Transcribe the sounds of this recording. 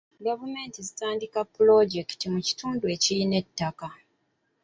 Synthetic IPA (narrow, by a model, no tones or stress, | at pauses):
ɡavume̞ːntizitaːndikapːulo̞ɟektimuci̥tuːndue̞ːcijine̞tːaka